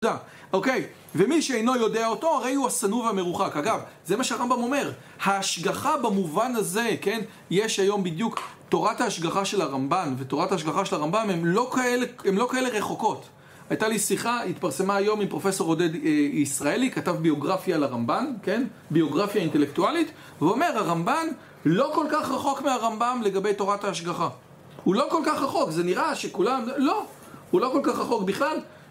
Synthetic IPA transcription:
a | ʔokej | vemiʃeejno̞jo̞deaoto̞aʁe̞juasanuvame̞ʁuχakaɡavze̞maʃeaʁambamo̞me̞ʁ | haːʃɡaχabamuvanaze̞ke̞n | jeʃajo̞mbidjukto̞ʁathaːʃɡaχaʃe̞laʁambanveto̞ʁataːʃɡaχaʃelaʁambamemlo̞kaeleemlo̞kaele̞ʁe̞χo̞ko̞t | ajtalisiχaitpaʁse̞maːjo̞mimpʁo̞fe̞so̞ʁodedeisʁaelikatavbio̞ɡʁafjalaʁambanke̞n | bio̞ɡʁafjainte̞lektualit | veuome̞ʁhaʁamban | lo̞ko̞lkaχʁaχo̞kmeaʁambamle̞ɡabe̞jto̞ʁathaːʃɡaχa | hulo̞ko̞lkaχʁaχo̞kze̞niʁaʃe̞kulamlo̞ | hulo̞ko̞lkaχʁaχo̞kbiχlal

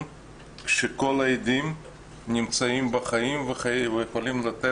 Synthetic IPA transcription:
ʃeko̞laed̪im | nʲimt͡saimbɐχaimveχavejeχolimlat̪e

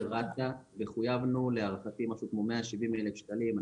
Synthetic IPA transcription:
ʁataveχujavnuleaʁfat̪imaʃukmomeaʃivimelefʃt̪alima

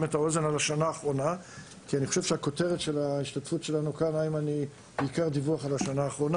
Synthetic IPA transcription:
metao̞ze̞nalaʃanaːχʁo̞na | kianiχo̞ʃev̥ʃeako̞te̞ʁetʃe̞laiʃtatfutʃe̞lanukanaimaniː | kaʁdivuaχalaʃanaːχʁo̞na

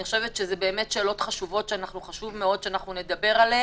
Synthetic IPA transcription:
iχoʃevet̪ʃezebeːme̞tʃe̞ːlo̞tχaʃuvo̞tʃeanaχnuχaʃuvmeo̞d̪ʃeanaχnune̞d̪abe̞ʁale

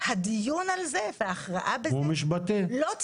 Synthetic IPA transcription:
had̪ijunalzeveaːχʁa̰ʔabeumiʃ̬bat̪elot̪

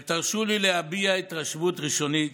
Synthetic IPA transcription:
t̪aʁʃulileabiait̪ʁaʃvut̪ʁiʃo̞nit̪

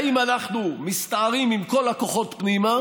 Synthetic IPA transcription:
imanaχnumist̪aːʁimimko̞lako̞χo̞tpnima

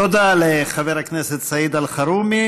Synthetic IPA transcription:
od̪aleχaveʁhakneset̪said̪alχaɾumi

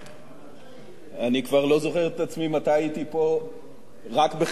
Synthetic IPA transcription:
anikvaʁlo̞zo̞χeʁet̪at͡smimat̪ajait̪ipo̞ | ʁakbe

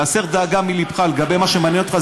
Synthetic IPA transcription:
aseʁd̪aːɡamilibχaleɡabe̞jmaʃemanjeno̞t̪χa

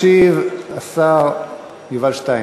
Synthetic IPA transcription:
ivasaʁ | juvalʃt̪aj

